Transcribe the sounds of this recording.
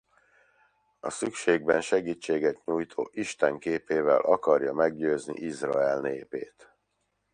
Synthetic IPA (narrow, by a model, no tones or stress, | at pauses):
ɒ̰sykʃeːɡ̚bɛnʃɛɡiːt͡ʃːeːɡɛt̪ɲuːjt̪ʰoːʔiʃt̪ɛŋkeːpeːvɛ̰lʔɒkɒrjɒmɛɡɟøːznḭʔizrɒɛlneːpeːt̪